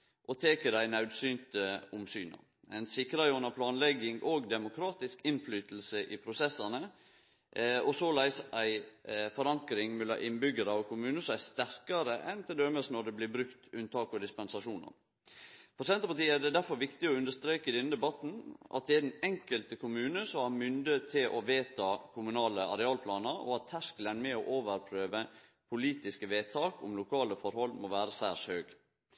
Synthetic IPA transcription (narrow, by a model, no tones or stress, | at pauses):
ʔɔt̪ʰeːkəd̪æɪnɑʉd̪syːnt̪əʊmsy̰ːnɑ̰ | ɛɪnsɪkɾɑɔnəpʰlɑːnlɛɡɪŋʔoɡd̪ɛmʊkʰɾɑːt̪ɪskɪnflyːt̪l̩səʔɪpʰɾʊsɛsːɑnə | ɔsoːlæɪsæɪfɔɾɑŋkɾɪŋmɛlɑ̰ʔɪnbʏɡəɾɑɔkʰʊmʉːnəsst̪æɾkɑɾəʔɛnt̪ʰɪld̪øməsnɔd̪ɛblɪːbɾʉkt̪ʉnt̪ʰɑːkɔd̪ɪspɛnsɑʂuːnɑ̰n | pʰɔsɛnt̪əpɑʈiːəæɖ̪ɛd̪æɾfɔɾʋɪkt̪ɪɔʉnd̪əʂt̪ɾeːkəd̪ɛnəd̪ɛbɑt̪n̩ʔɑ̰t̪̚d̪ɛæɾd̪ɛnɛŋkəlt̪əkʰʊmʉːnəsɔmæɾmʏnd̪əət̪ʰːɪlʔɔʋeːt̪ʰɑːkʰʊmʉnɑːləɑ̰ɾɛɑːlpʰlɑːnəɾɔ̰ɑt̪ʰːæʂklənmɛɔʔoːʋəɾpʰɾøːʋə | pʰʊliːt̪ɪskəʋeːt̪ʰɑːkʊ̰mlʊkʰɑːləfɔɾhɔlmoːʋæːɾəsæ̰ːʂhøːɡ